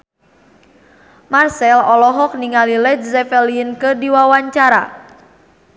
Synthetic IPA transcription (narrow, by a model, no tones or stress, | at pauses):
marsɛlɔlɔɦɔk̚niŋalilɛt̪̚zɛfɛliənkədiwawaɲt͡ʃaɾa̰